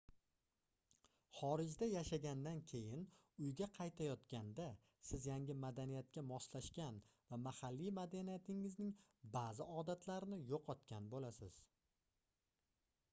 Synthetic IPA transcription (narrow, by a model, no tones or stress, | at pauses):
χɒɾɪd͡ʒd̪ajaʃaɡʲand̪ankʲʰe̞jɪn | ʊjɡʲaqʰɑjt̪ʰajɒt̪kʲand̪a | sɪzjaŋʲɪmad̪anijat̪̚kʲamɒslaʃkʲanvamahalːijmad̪anijat̪ʰɪŋɪznɪŋbaːzɪɒd̪at̪ʰlaɾɪnɪjoqʰɒt̪kʲanbolasɪz̥